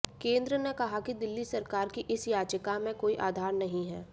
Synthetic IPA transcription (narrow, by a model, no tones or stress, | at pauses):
kẽːnd̪ɾənekɐɦakid̪ɪlːisɐɾkaːɾkiʔɪsjaːd͡ʒəkamẽkoːiʔaːd̪ʱaːɾnɐɦĩɦɛː